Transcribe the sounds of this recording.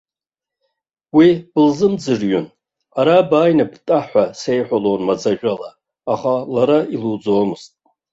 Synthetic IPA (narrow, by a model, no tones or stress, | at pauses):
wib̥ɨlzɨmd͡zɨrɥʊn | aɾabaːjnabtʼaħʷᶣase̞jħʷalownmad͡zaʒʷᶣʼalaː | χalaɾailud͡zoːmɨz̥tʼ